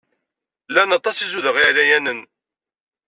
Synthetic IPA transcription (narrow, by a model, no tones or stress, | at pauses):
lænɑt̪ˤːɑsizuðəʁiʕɾæjænən